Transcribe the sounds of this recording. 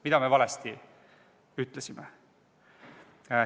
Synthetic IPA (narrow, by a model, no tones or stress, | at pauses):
mid̪ɑme̞vɑlɛst̪i | yt̪ːˑlesime